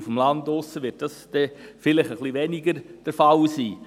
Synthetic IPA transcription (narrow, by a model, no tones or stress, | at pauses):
fəm̩lɑndʊsəʋɪt̚d̥ɑsd̥ɛfɪlɪχəχliʋɛnɪɡəɾd̥əɾfɑlsiː